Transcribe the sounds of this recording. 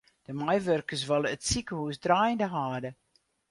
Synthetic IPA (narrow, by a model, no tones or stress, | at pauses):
d̥əmajʋørkəs̬ʋalˠəətsikəhusdraːjəndəɦaːdə